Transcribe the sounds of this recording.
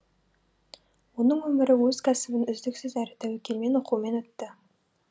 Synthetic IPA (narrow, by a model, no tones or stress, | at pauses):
wo̞nəɴwɵmɪɾɪwɵz̥kʲʰæsɪbɪnʏzd̪ɪksɪzæɾet̪æwekʲʰelme̞nwoqume̞nwɵt̪ːɪ